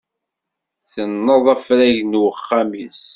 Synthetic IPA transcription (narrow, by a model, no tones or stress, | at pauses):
θənːəðˤæfɾæʝnəχːæmis